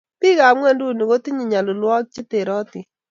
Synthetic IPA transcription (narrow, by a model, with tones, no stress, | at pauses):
pi˦ka˨mŋwɛ˦˨ndu˦˨ni˨ko˦ti˦ɲi˨ɲa˨lʊ˨lwɔ˦k̚t͡ʃi˦te˨ɾɔ˦tɪ˨